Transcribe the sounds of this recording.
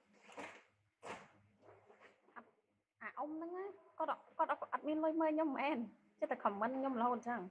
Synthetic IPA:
ʔa˨˩t̚ | ʔaː˨˩ʔo˧˨mnɨ˧ŋʔaː˧˩˨kɔ˧˩˨kɔː˧˩t̪̚ʔa˨˩t̪̚mi˧ə˨nlo˧jməː˧˨ɲɔ˧˥˨mːɛː˧˩˨n | t͡ɕi˧˥t̪a˧˩kʰɔ˨˩˨mːəː˧˥n˧ŋɲo˧˨mla˧hoː˧˩t̪̚t͡ɕa˧˩ŋ

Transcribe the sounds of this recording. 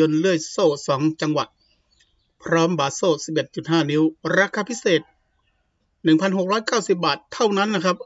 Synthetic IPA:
o˧nlɯ˥˩əjsoː˥˩sɔː˩˦ŋt͡ɕa˧ŋwa̰˨˩t̪̚ | pʰɾɔː˦˥mbaː˨˩t̪̚soː˥˩si˨˩p̚ʔe˨˩t̪̚t͡ɕu˨˩t̪̚ɦaː˥˩ni˦˥wɾaː˧˥kʰaː˧pʰi˦˥seː˨˩t̪̚ | nɯ˨˩ŋpʰa˧nɦo˨˩k̚ɾɔː˦˥jkaː˥˩wsi˨˩p̚baː˨˩t̪ʰːa˥˩wna˦˥nːa˦˥kʰa˦˥p̚

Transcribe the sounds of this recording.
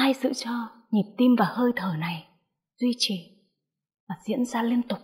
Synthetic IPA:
aː˧jsɨ̰˧˨t͡ɕɔ˧ | ɲi˨˩p̚t̪i˧mvaː˨˩həː˧jt̪ʰəː˨˩na˨˩j | z̥wi˧t͡ɕi˨˩ | vaː˨˩zḭ˧˥ənzaː˧li˧ənt̪ʊ˨˩k͡p̚

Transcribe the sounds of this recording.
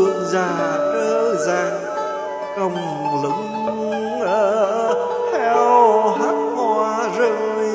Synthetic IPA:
ənzaː˧˩ɗəː˨˧˦zaː˧˩ŋ | t͡ɕɔ˧wŋ͡m | lɨ̰˧˦˥ŋ˧˩ | t̪ʰɛ˧wha˨˦˥k̚haː˧zəː˧˩j

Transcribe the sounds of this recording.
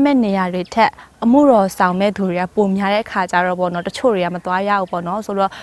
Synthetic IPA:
mɛ̰˦˨ne˨ja˨dwe˨tʰɛ˦ʔːəm̥ṵ˦˨ɾɔ˨sã˨ʊ̃mɛ̰˦˨d̪u˨ɹe˨ɡa˦˨po˨mja˨˦ɾɛ˦ʔəkʰa˨t͡ɕa˦ɹɔ˦˨pɔ̰˦˨nɔ˦tət͡ɕʰo̰˦˨ɹe˨a̰˦˨mət̪wa˦ja̰˦˨ʔu˦pɔ̰˦˨nɔ˦so˨˦ɔ˦˨

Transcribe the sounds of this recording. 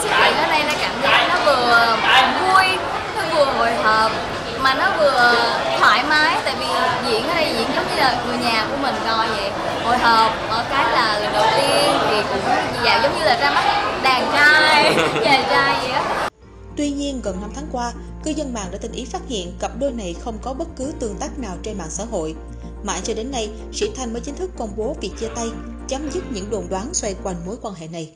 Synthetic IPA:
sɨ˦˥k̚t͡ɕḭ˧˨nʔəː˨˦ɗə˧jlaː˨˩kaː˧˩mzaː˦˥k̚nɔ˨˦vɨ˨˩ə˨vu˧əjʰ | ə˧vu˨˩əɦo˨jɦəː˨˩p̚ | maː˨˩nɔ˨˦vɨ˨˩ə | t̪ʰwaː˧˩jmaː˨˦jt̪a̰ː˧˨jvi˨˩˨zḭ˧˥ən˧a˧˩jzḭ˧˥ənzə˨˦wŋ͡mɲɨ˧˩laː˨˩kɨ˨˩əɲaː˨˩ku˧˩əmï˨˩ŋ̟zɔ˨˩jzə̰˧˨j | ho̰˧˨jɦəː˨˩p̚ʔəː˧˩kaː˨˦jlaː˨˩˨jɗɨ˨˩wt̪i˧ən˨vi˨˩kʊ̰˧˥ŋ͡mzaː˧˨˩wzə˨˦ŋ͡mɲɨ˧laː˨˩zaː˧ma˦˥t̚ɗaː˨˩ŋt͡ɕaː˧jzəː˨˩t͡ɕaː˧jzi˨˩ʔəː˨˦ | t̪wi˧ɲi˧ənɣə˨˩nːa˧mt̪ʰaː˨˦ŋkwaː˧ | kɨ˧zə˧nma̰ː˧˨ŋɗa̰ː˧˥˩t̪ï˨˩ŋʔi˨˦faː˦˥t̚hḭ˧˨ənkə˨˩p̚ɗo˧jna˨˩jxə˧wŋ͡mkɔ˨˦ɓə˦˥t̚kɨ˨˦t̪ɨ˧˩əŋt̪aː˦˥k̚naː˨˩wt͡ɕe˧nma̰ː˧˨nsa̰ː˧˨ɦo̰˧˨j | ma̰ː˧˨t͡ɕɔ˧ɗe˨˦nːa˧j | sḭ˧˥t̪ʰa˧˩jməː˨˦jt͡ɕï˨˦ŋ̟t̪ʰɨ˦˥kːə˧wŋ͡mɓo˨˦vi˨˩k̚t͡ɕi˧ət̪a˧j | t͡ɕa˨˦mzɨ˦˥t̚ɲɨ̰˧˥ŋɗo˨˩nɗwaː˨˦nswɛ˧jkwa˧jŋ̟mo˨˦jkwaː˧nɦḛ˧˨na˨˩j

